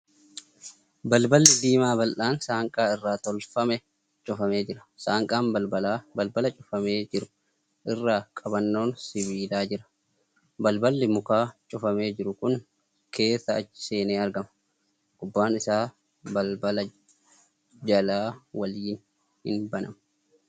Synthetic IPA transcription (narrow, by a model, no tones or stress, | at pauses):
bɐlbɐlːɪd̪iːmaːbɐlʔaːnsaːŋkʼaːɪrːaːt̪ɔlfɐmɛ | t͡ʃʼʊfɐme̞ːd͡ʒɪɾɐ̥saːŋkʼaːmbɐlbɐlaːbɐlbɐlɐt͡ʃʼʊ̥fɐme̞ːd͡ʒɪɾʊ | ʔɪrːaːkʼɐbɐnːo̞ːnsɪβiːlaːd͡ʒɪɾɐ̥ | bɐlbɐlːɪmʊkaːt͡ʃʼʊfɐme̞ːd͡ʒɪɾʊkʊŋ | kʰe̞ːsːɐɐ̥se̞ːneːɐɾɡɐmɐ | ɡ̥ʊbːaːnɪsaː | bɐlbɐlɐ | d͡ʒɐlaːwɐliːn | hɪ̰nbɐnɐ̰mɐ